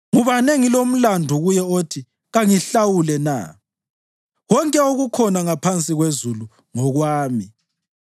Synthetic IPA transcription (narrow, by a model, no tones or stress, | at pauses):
ŋuβaneŋilom̩landʱɔɣujɛotʰi | ɣaŋiɬawulɛna̰ | wɔŋkʼɛoɣukʰɔnaŋapʰant͡sʼiɣwezulu | ŋɔɣwaːmi